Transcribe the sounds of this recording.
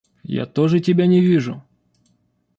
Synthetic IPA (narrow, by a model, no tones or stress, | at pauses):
ja̰t̪oʐɨtʲɪbʲanʲɪʋʲiʐʊ